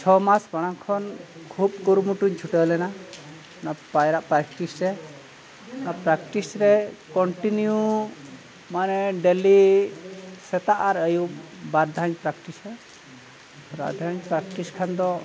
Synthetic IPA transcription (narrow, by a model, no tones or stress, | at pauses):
t͡ʃʰɔmasbaɽ̃aŋkʰɔn | kʰub̚kuɾumuʈuɲt͡ʃʰuʈəlɛna | napajɾaʔpɾakʈisɾɛ | napɾakʈisɾekɔɳʈinju | maneɖeli | sɛt̪aʔaɾəjubaɾd̪ʱaɲpɾakʈisɛ | ɾa̰d̪ʱaɲpɾakʈiskʰand̪ɔ